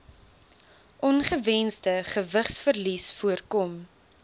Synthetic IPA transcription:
ʔɔnχəvɛnsdəχəvəχsfərlisfuərkɔm

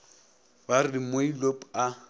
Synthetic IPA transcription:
barɪdimoilopa

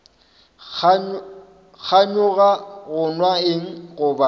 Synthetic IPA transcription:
k͡xʰaɲʊɣaɣʊnwaɪŋ̩ɣʊba

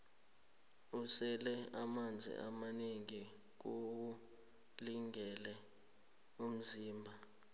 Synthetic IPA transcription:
usɛlɛamand͡zʱḭʔa̰maneŋi | k̬oku | liŋɛlɛ | um̩ziːmbʱa

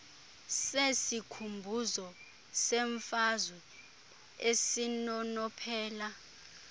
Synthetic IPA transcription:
sesikʰumbʱuzɔ | sɛɱfazwɛ | esinɔnɔpʰɛːla

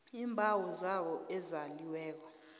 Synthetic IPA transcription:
iːmbʱawɔzawɔɛzaliwɛːk̬ɔ

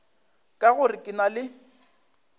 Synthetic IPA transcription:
kʼaɣʊrɪkʼɪnalɪ

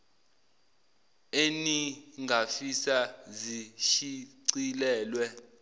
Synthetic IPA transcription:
eniŋɡʱafisaziʃiǀilɛːlwɛ

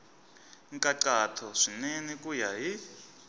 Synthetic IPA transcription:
ŋkʼaǀatʰɔʂinɛnikʼujaɦi

